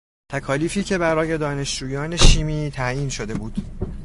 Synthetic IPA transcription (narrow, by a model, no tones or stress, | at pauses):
t̪ʰækʰɒːliːfiːcʰe̞bæɾɒːje̞d̪ɒːne̞ʃd͡ʒuːjɒːne̞ʃiːmiːt̪ʰæjiːnʃo̞d̪e̞buːd̪̥